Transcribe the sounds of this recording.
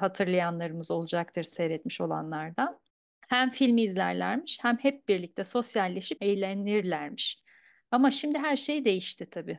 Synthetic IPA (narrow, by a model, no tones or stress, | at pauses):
hat̪ʰɯɾlˠajanlˠaɾɯmɯzo̞lˠud͡ʒak̚t̪ʰɯɾsɛɾɛt̪miʃo̞̰lˠa̰nlˠaɾd̪an | hæmfilʲmiːzlʲæ̰ɾlʲæ̰ɾmiʃhæmhɛp̚biɾlʲic̚t̪ʰɛso̞sjalʲːeʃipejlʲeniɾlʲæɾmiʃ | amaʃimd̪ɪɦæɾʃe̞jd̪e̞jiʃt̪ʰɪt̪ʰabiː